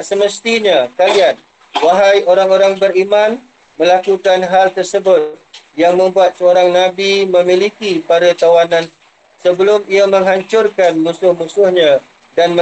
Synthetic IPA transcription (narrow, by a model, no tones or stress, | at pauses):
səməst̪iɲakalian | waɦajoɾaŋoɾaŋbəɾimãn | mə̃lakukanɦalt̪ərsəbʊt̪̚jaŋmə̃mbuat̪̚səoɾaŋnãbimə̃mĩlikipadat̪awanãn | səbəlʊmiamə̃ŋɦaɲt͡ʃʊrkanmũsʊhmũsʊhɲã | danmə